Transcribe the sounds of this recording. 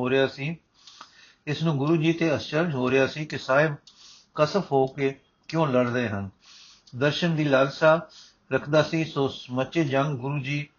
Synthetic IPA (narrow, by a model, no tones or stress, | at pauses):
oːɾɪjaːsiː | ɪsnũːɡʊɾuːd͡ʒiːt̪eːəst͡ʃəɾd͡ʒɦoːɾɪjaːsiːkɪsaːɪb | kəsəfʰɦoːkeː | kɪjõːləɽɾeːɦən | d̪əɾʃənd̪iːlaːlsaː | ɾəkʰd̪aːsiːsoːsməʃeːd͡ʒəŋɡɡʊɾuːd͡ʒiː